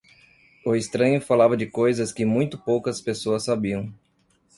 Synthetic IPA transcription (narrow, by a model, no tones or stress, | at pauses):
ʊest̪ɾɐ̃ɲʊfalavɐd͡ʒɪkojzɐskɪmũj̃t̪ʊpowkɐspesoɐsːabiɐ̃w̃